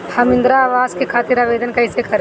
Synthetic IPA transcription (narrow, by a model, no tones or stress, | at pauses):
hɐmɪ̃nd̪ɾaːʋaːzkekʰaːt̪ɪɾaːʋeːd̪ənkɐɪsekɐɾe